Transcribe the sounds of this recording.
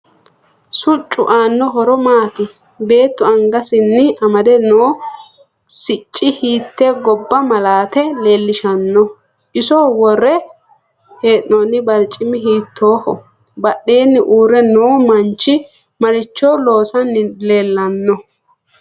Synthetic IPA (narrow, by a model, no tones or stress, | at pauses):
sʊt͡ʃʼːʊ̰ʔaːnːɔɦɔɾɔmaːt̪ɪ | be̞ːt̪ːʊɐŋɡɐsɪnːɪɐmɐd̪ɛnoː | sɪt͡ʃʼːɪhiːt̪ːeːɡɔbːɐmɐlaːt̪ɛleːlːɪʃɐnːɔ | ʔɪsɔwɔrːɛ | heːʔonːɪbɐɾt͡ʃʼːɪmɪɦiːt̪ʰːoːhɔ | bɐɗːe̞ːnːɪʔuːɾɛnoːmɐnt͡ʃːɪ | mɐɾɪt͡ʃːo̞ːlo̞ːsɐnːɪleːlːɐnːɔ